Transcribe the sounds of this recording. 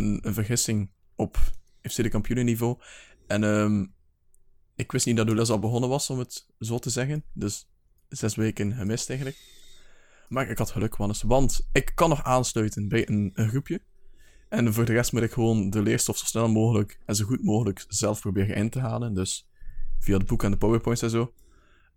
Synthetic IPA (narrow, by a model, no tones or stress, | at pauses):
ənənvərɣɪsɪŋ | ɔp | ɛfsedəkɑmpjunənivoːɛnəːm | ɪkʋɪstnit̚dɑtdulɛs̬ɑlˠbəɣɔnənʋɑsɔmət | zoːtəzɛɣəndɵs | z̥ɛsʋeːkənəmɪstɛjɣənlək̚ | maːɹɪkɦɑtxəlɵkʋɑnəsʋɑntɪkːɑnːɔxaːnslœɥtənbɛjənənxrupjə | ɛnvoːrdərɛstmutɪkxəʋoːndəlɪːɹstɔfz̥o̥snɛlˠmoːɣələkɛnzoɣutmoːɣələkz̥ɛlˠfprobɪːrənʔɪ̰ntəɦaːləndɵs | v̥iadəbukɛndəpowəɹpɔjntsɛnzoː